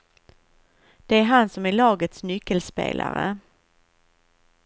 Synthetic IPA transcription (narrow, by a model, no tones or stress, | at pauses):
d̪̥ɛæɾɦansɔmæɭɑːɡət̪snʏkːəlspḛːlʔa̰ɾə̰